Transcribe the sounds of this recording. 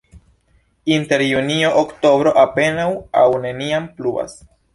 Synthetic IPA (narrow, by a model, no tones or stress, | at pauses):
inte̞ɾjunio̞ʔokto̞bɾo̞ʔape̞nawawne̞niamplua̰s